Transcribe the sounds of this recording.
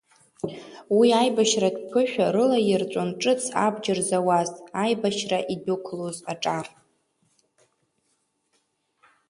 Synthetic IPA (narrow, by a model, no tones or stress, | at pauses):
wiajbaʃradpʰɨʃᶣaɾɨlajɪrt͡ʃʷʼonʈ͡ʂʼɨt͡sʰa̰bd͡ʒɪrzawaztʼajbaʃraʔidukʷʰlozaʈ͡ʂʼar